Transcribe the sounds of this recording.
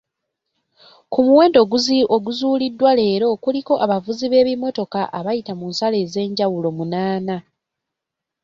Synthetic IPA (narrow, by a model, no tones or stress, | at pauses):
kumuwe̞ːndo̞ɡuziʔoɡuzuːlidːwale̞ːɾo̞kuliko̞ʔaβavuziβe̞ːβimo̞to̞kaʔaβajitamuːnsale̞ːze̞ːɲɟawulo̞munaːna